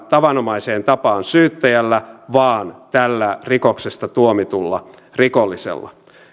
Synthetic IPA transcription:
t̪ɑʋɑnomɑiseːnt̪ɑpɑːnsyːt̪ːæjælːæʋɑːnt̪ælːærikoksest̪ɑt̪uomit̪ulːɑ̰ | rikolːisḛlːɑ̰

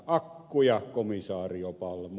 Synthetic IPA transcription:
ɑkːujɑkomisɑːriopɑlm

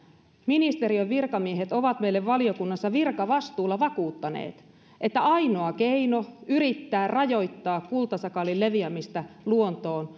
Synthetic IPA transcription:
minist̪e̞ɾiøʋʋirkɑmieɦe̞t̪o̞ʋɑt̪meijlːeʋʋɑlio̞kunːɑsːɑʋirkɑʋɑst̪uːlːɑʋɑkuːt̪ːɑnḛːt̪ | ʔet̪ːæɑino̞ɑke̞ino̞yɾit̪ːæːrrɑjo̞jt̪ːɑːkkult̪ɑsɑkɑlille̞ʋiæmist̪ɑluo̞nt̪o̞ːn

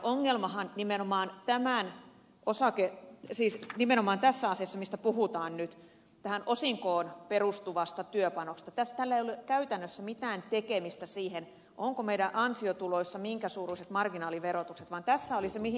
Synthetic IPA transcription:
ʔoŋːelmɑɦɑnnimenomɑːnt̪æmæn | osɑkesiːsnimenomɑːnt̪æsːæɑsiɑsːɑmist̪æpuɦut̪ɑːnnyt̪ | t̪æhænʔosiŋkoːnperust̪uʋɑst̪ɑt̪yøpɑnokst̪ɑt̪æst̪ælːæejolːekæyt̪ænːøsːæmit̪æːnt̪ekemist̪æsiːhen | ʔoŋkomeiɾæʔɑnsiot̪uloisːɑmiŋkæsuːruiset̪mɑrɡinɑːliʋeɾot̪ukset̪ʋɑnt̪æsːæolisemihi

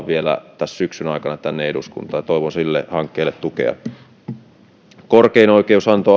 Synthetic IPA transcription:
ʋʋielæ̰t̪æssyksynɑikɑnɑt̪ænːeedṵskṵnt̪ɑːjɑt̪oˑiʋonsilːḛhɑŋkːeilːet̪t̪ukḛɑ̰ | korkeinoˑikeˑusɑnt̪o

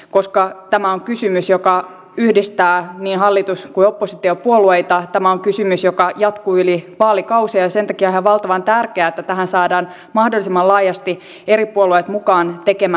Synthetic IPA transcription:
koskɑt̪æmæoŋkysymysjokɑ | yhdist̪æːniːnɦɑlːit̪uskuiopːosit̪iopuolueit̪ɑt̪æmæoŋkysymysjokɑjɑt̪kuyliʋɑːlikɑusiɑɑsent̪ɑ̥kiɑhæʋɑlt̪ɑʋɑnt̪ærkeæːet̪ːæt̪æɦænsɑːdɑːn | mɑhdolːˑisimːɑlɑːjɑst̪i | eɾipuoluet̪mukɑːnt̪ekemæ

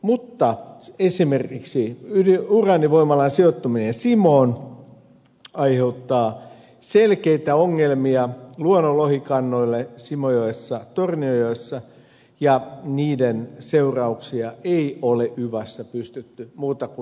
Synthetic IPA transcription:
mut̪ːɑesimerkiksiydiurɑːniʋoimɑlɑnsiot̪ːuminensimoːn | ɑiheut̪ːɑː | selkeit̪æoŋːelmiɑluonolohikɑnːoilːesimojoesːɑt̪orniojoesːɑ | jɑniːdenseurɑuksiɑʔeioleyʋɑsːæpyst̪yt̪ːymuːt̪ɑku

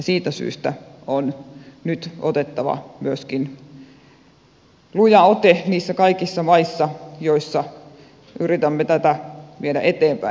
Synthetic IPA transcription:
ɑsiːt̪æsy̰ːst̪æonnyt̪ot̪et̪ːɑʋɑ̰myøskin | lujɑot̪eniːsːækɑikisːɑmɑisːɑjoisːɑ | yrit̪æmːet̪æt̪æʋiedæʔet̪eːmpæ̰

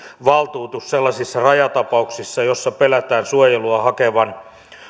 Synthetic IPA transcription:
ʋɑlt̪uːt̪usselːɑsisːɑrɑjɑt̪ɑpɑuksisːɑjosːɑpelæt̪æːnsuojeluɑhɑkeʋɑn

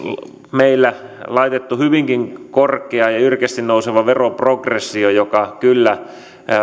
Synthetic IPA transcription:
meilːælɑit̪et̪ːuhyʋiŋkiŋkorkˑeɑjɑyrkest̪innouseʋɑʋeroprokresːiojokɑkylːæ

